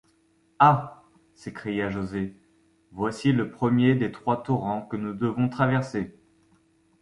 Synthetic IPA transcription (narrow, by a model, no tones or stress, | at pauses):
a | sekχijaʒoze | vwasiləpχəmjed̪et̪χwat̪uʁɑ̃kənud̪əvɔ̃t̪χavɛʁse